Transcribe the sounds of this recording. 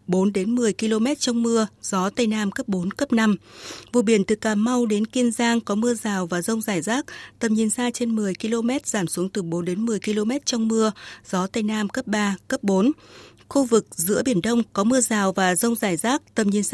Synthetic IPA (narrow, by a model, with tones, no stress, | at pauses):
ɓo˨˦nɗe˨˦nmɨ˨˩əjki˧lo˧mɛ˦˥t̚t͡ɕɔ˧wŋ͡mmɨ˧əz̥ɔ˨˦t̪ə˧jnaː˧mkə˦˥p̚ɓo˨˦nkə˦˥p̚na˧mvṵ˧˨ɓi˧˩ənt̪ɨ˨˩kaː˨˩ma˧wɗe˨˦nki˧ənzaː˧ŋkɔ˨˦mɨ˧əzaː˨˩wvaː˨˩zə˧wŋ͡mzaː˧˩jzaː˦˥k̚t̪ə˨˩mɲi˨˩nsaː˧t͡ɕe˧nmɨ˨˩əjki˧lo˧mɛ˦˥t̚z̥aː˧˩msu˨˦əŋt̪ɨ˨˩ɓo˨˦nɗe˨˦nmɨ˨˩əjki˧lo˧mɛ˦˥t̚t͡ɕɔ˧wŋ͡mmɨ˧əzɔ˨˦t̪ə˧jnaː˧mkə˦˥p̚ɓaː˧kə˦˥p̚ɓo˨˦n | xu˧vɨ˨˩k̚zɨ̰˧˥əɓi˧˩ənɗə˧wŋ͡mkɔ˨˦mɨ˧əzaː˨˩wvaː˨˩zə˧wŋ͡mzaː˧˩jzaː˦˥k̚t̪ə˨˩mɲḭ˨˩n